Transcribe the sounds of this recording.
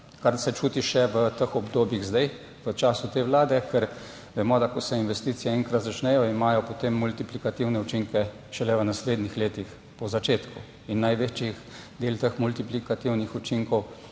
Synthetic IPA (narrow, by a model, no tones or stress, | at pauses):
kaɾsɛt͡ʃuːt̪iʃɛʋət̪əxɔbd̪oːbjiɣzd̪aj | ʋət͡ʃaːsut̪eːʋlaːd̪ɛkɛɾ | ʋɛmɔd̪akɔsɛinʋɛst̪it̪sijɛɛŋkɾat̪zat͡ʃnɛjɔimaːjɔpot̪emːult̪iplikat̪iwnɛut͡ʃiŋkɛ | ʃɛlɛʋənasleːd̪nixleːt̪ix | pɔzat͡ʃeːt̪ku | inːajʋet͡ʃixd̪eːlt̪əxmult̪iplikat̪iwnixut͡ʃiŋkɔw